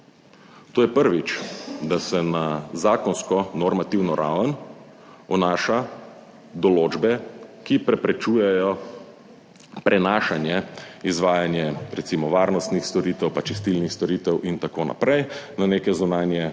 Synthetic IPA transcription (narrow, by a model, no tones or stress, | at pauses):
t̪oːjɛpəɾʋit͡ʃd̪asɛnazaːkɔnskɔnɔɾmat̪iwnɔɾʔa̰wən | ɔnaːʃa | d̪ɔloːd͡ʒbɛkipɾɛpɾɛt͡ʃuːjɛjɔ | pɾʔɛnaːʃanjɛizʋaːjanjɛɾɛt̪simɔʋaːɾnɔst̪nixst̪ɔɾiːt̪ɛwpat͡ʃɛst̪ilnixst̪ɔɾiːt̪ɛwʔint̪akoːna̰pɾɛjnaneːkɛzunaːnjɛ